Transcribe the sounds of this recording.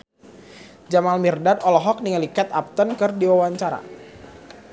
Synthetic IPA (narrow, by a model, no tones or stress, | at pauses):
d͡ʒamalmirdadɔlɔɦɔk̚niŋalikɛt̪ap̚t̪ənkɨrdiwawaɲt͡ʃaɾa̰